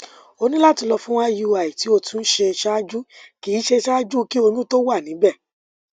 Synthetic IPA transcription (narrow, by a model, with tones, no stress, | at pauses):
o˧nĩ˦la˦ti˧lɔ˧fũ˦w̃ã˦ju˧a˨i˨ti˨˦o˧tũ˦n̩˦ʃe˧ʃa˦d͡ʒu˦ki˨˦ʃe˧ʃa˦d͡ʒu˦ki˦o˧nũ˦to˦wa˦˨nĩ˨˦bɛ˦˨